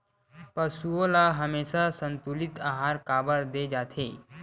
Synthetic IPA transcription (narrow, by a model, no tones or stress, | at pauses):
pɐɾsuolaɦɐmeːʃasə̃nt̪ulɪt̪aːɦaːɾkaːbəɾd̪eːd͡ʒaːt̪ʰeː